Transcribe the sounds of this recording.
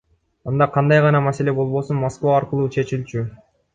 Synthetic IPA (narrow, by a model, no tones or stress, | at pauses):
ɑnd̪ɑqʰɑnd̪ɑjʁɑnɑmase̞le̞bo̞lˠβo̞sunmoskvɑːɾqɯlˠuːt͡ʃʰe̞t͡ʃilt͡ʃy